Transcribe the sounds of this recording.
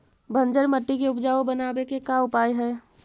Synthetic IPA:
bʱə̃nd͡ʒəɾməʈːikeʊpd͡ʒaːobənaːbekekaʊpaːjɦɛ̃ː

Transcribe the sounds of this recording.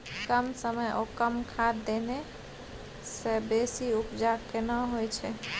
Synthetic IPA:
kəmsəməjʔokəmkʰad̪d̪ene | sebesiupd͡ʒakenəɦojt͡ʃʰɛ

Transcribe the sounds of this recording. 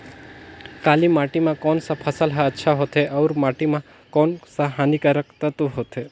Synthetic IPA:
kaːlimaʈimãkɔːnsapʰəsəlɦaətːʃʰaɦot̪ʰeʔɐuɾmaʈimã | kɔːnsaɦanikaɾək̚t̪ət̪oɦot̪ʰe

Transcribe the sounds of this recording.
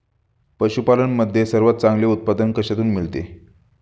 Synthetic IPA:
pəɕupalənməd̪ʱːjesəɾʋat̪̚t͡sãŋɡleut̪̚pad̪ənkəɕat̪uːnmiɭt̪ḛ

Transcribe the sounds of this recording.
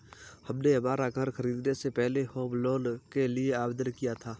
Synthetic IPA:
hɐmneɦɐmaːɾaɡəɾxɐɾiːd̪nesepɛɦlehoːbloːlkelieaːbd̪ənkijat̪ʰaː

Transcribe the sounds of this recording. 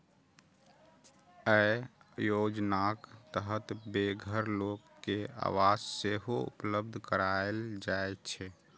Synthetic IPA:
əjod͡ʒnakt̪əɦət̪beɡʱəɾlokːea̰ʋad͡ʒseɦoṵpləb̚d̪ʱkəɾaeld͡ʒaet͡ʃʰɛ

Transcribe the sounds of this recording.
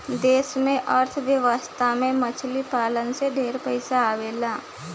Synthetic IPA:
d̪eːsmẽʔəɾt̪ʰʋjəʋəst̪ʰamẽmət͡ʃʰlipaːlənseɖʱeːɾpəɪsaaːʋeːlaː

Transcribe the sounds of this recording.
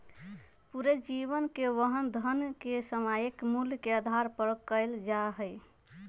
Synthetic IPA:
puɾed͡ʒiβənkeʋəɦənd̪ʱənkesəmajekmuljkeəd̪ʱaɾpəɾkəɪld͡ʒaɦəj

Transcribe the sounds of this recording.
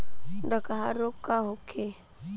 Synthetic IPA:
dakaɦaɾokaɦokʰe

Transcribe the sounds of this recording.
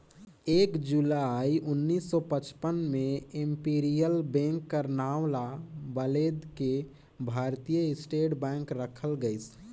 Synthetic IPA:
eːkd͡ʒulaiʔʊnːiːsːɔpət͡ʃpənmẽɪmpiːɾijəlbɛ̃ŋkːəɾnaːwlabəled̪ke | bʱaːɾt̪ijəɪsʈeːʈbɛ̃ŋkɾəkʰəlɡəɪs

